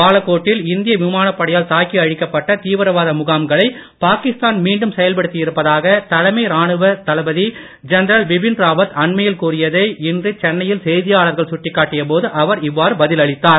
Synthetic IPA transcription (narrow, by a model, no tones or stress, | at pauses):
paːlɐkːoːʈːɪlɪnd̪ɪjɐʋɪmaːnɐpːɐɽɐjaːlt̪aːkiɐɻɪkːɐpːɐʈːɐt̪iːʋɐɾɐʋaːðɐmʊɣaːmɡɐɭɐɪpaːkɪst̪aːnmiːɳɖɯmsɛjɐlpɐɽɯt̪ːɪjɪɾɯpːɐðaːɣɐt̪ɐlɐmɐɪɾaːɳɯʋɐt̪ɐlɐbɐði | d͡ʒɛnɐɾɐlʋɪbɪnɾaːbɐt̪ɐɳmɐjɪlkuːrɪjɐðɐɪɪndrɯt͡ʃɛnːɐjɪlsɛjðɪjaːɭɐɾɣɐɭsʊʈːɪkːaːʈːɪjɐpoːðɯʔɐʋɐɾɪʋːaːɾɯbɐðɪlɐɻɪt̪ːaːɾ